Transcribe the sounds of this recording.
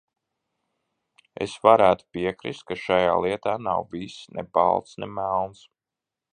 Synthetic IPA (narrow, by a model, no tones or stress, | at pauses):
ḛsvaɾæːt̪u̥piɛkɾist̪̚kaʃajaːlˠiɛt̪aːnawvisnʔɛ̰ba̰lˠt̪snɛmælˠns